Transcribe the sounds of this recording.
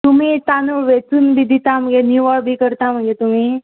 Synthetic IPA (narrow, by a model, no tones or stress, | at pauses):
t̪um̤it̪anoʋet͡suːnbʱid̪ʱit̪am̤ə̃ɡenuʋaɭbʱiːkəɾt̪am̤əɡet̪um̤i